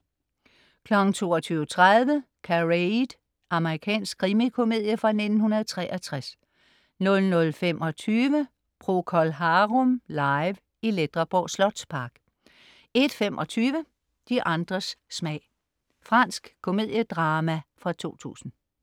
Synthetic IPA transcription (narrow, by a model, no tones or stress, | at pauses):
kʰlɒ̽ɡ̥n̩t͡sʰo̝̰ːɒt͡sʰyːʊət͡sʰʁaðˠʋə | kʰæʁed̥ | ɑ̈məʁikʰɛ̰ːnsɡ̥̚kʰːʁimikʰo̝me̝ð̰ˠjəfʁɑ̈ne̝d̥n̩hunɐð̞̩ˠt͡sʰʁɛ̰ːʔɐt͡sʰʁas | nɔ̽lnɔ̽lfem̰ʔɒ̽t͡sʰyːʋə | pʰʁo̝kʰɒ̽lɦɑʁɔmlɑɪʋ | iled̥ʁɐb̥ɒ̰slɒ̽d̥spʰɑ̈ɡ̥ | e̝d̥femʔɒ̽t͡sʰyːʋə | d̥iʔɑ̈nd̥ʁɐsːmɛɪ̰ | fʁɑ̈n̰sɡ̥kʰːo̝me̝ð̞̰ˠjəd̥ʁɑːmæfʁɑ̈t͡sʰo̝̰ːt͡sʰṵːsn̩